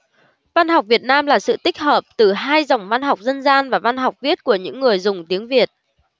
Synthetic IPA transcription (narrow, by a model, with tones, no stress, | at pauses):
va˧nɦa˨˩wk͡p̚vi˨˩ət̚naː˧mlaː˨˩sɨ̰˧˨t̪ï˦˥k̟̚həː˨˩p̚t̪ɨ˨˩ɦaː˧jzə˨˩wŋ͡mva˧nɦa˨˩wk͡p̚zə˧nzaː˧nvaː˨˩va˧nɦa˨˩wk͡p̚vi˦˥ət̚ku˧˩əɲɨ̰˧˥ŋːɨ˨˩əjzʊ˨˩ŋ͡mt̪i˨˦əŋvi˨˩ət̚